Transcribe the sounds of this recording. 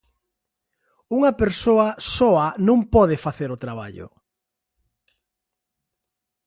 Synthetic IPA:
uŋɐpeɾsoɐsɔɐnõŋpɔðefaθeɾʊt̪ɾaβa̰ʎʊ̰

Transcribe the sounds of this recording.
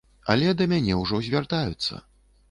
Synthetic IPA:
ɐ̰lʲɛd̪ɐmʲanʲɛwʐɔzʲvʲart̪ajut̪sːɐ̰

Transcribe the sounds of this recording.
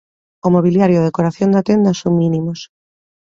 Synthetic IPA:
omoβ̞iljaɾjoðekoɾaθjond̪at̪end̪asoŋmĩnimos

